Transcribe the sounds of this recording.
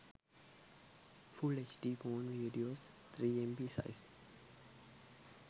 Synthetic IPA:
fulet͡ʃɖibɔ̃ːnviːɖios | t̪ʰɾiːɛ̃mbisa̰ɪs

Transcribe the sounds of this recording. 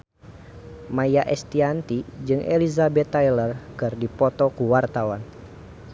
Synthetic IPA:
majaʔɛst̪iant̪id͡ʒɨŋʔɛ̰lizabɛt̪ailərkɨrdipɔt̪ɔkuwart̪awan

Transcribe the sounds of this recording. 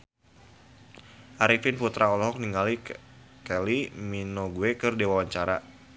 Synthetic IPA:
ʔaɾifinput̪ɾaɔlɔɦɔk̚niŋali | kɛliminoɡuekɨrdewawaɲt͡ʃaɾa̰

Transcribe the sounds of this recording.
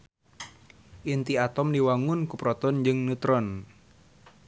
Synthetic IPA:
ʔint̪iat̪ɔmdiwaŋʊnkupɾɔt̪ɔnd͡ʒɨŋnut̪ɾɔn

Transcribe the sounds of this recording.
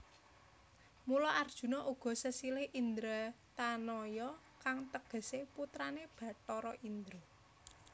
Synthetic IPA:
mulɔʔard̥ʒ̥ṳnɔʔuɡ̥ɔ̤səsilɪhʔind̪ɾa | t̪anɔjɔ | kaŋt̪əɡ̥ə̤seput̪ɾaneb̥ä̤ʈɔɾɔʔind̪ɾɔ

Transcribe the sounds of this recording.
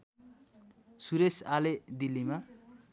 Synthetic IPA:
suɾesaled̪ilːima

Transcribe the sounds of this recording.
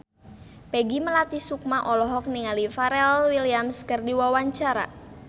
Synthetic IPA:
pɛɡiməlat̪isuk̚maʔɔlɔɦɔk̚niŋalifaɾɛlwiliamskərdiwawaɲt͡ʃaɾa̰

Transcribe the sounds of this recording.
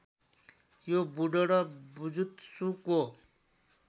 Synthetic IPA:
jobuɖoɽʌbud͡zut̪suko

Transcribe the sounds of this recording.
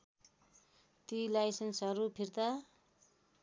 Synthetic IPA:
t̪ilajsensɦʌɾupʰird̪a

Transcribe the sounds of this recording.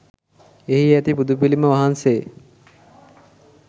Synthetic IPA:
eɦiæt̪ipud̪upiliməʋaɦanse

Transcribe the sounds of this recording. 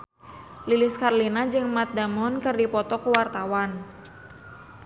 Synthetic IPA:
lilɪskarlinad͡ʒɨŋmat̪̚d̪amɔnkɨrdipɔt̪ɔkuwart̪awan

